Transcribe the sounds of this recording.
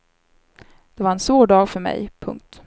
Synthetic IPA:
d̪̥ɛvaɾɛnsvoːɖɑːɡfœɾmɛ̰jpʰɵ̰ŋk̚t̪

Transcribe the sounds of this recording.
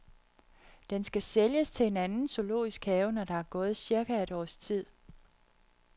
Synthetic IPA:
d̥ensɡ̥æseljəst͡sʰe̝e̝nænn̩so̝lo̝̰ːisɡ̥hɛʊnɒɾ̥ɑ̈æɐɡ̥ɔ̽ːð̞̩ˠsiɐɡ̥ææɾ̥ɒ̰ːst͡sʰið̰ˠ

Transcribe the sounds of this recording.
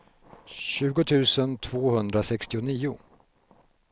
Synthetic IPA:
ɕʉ̟ːɡʊt̪ʰʉ̟ːsənt̪ʰv̥oːhɵnd̪ɾasɛkst̪ɪʊniːʊ

